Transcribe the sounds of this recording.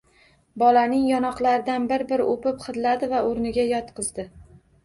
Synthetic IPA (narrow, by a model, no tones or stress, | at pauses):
bɒlanɪŋjɒnɒqlˠaɾɪd̪anbɪɾbɪɾʔopɪpχɨd̪lad̪ɪvaoɾnɪɡʲajɒt̪qʰɨzd̪ɪ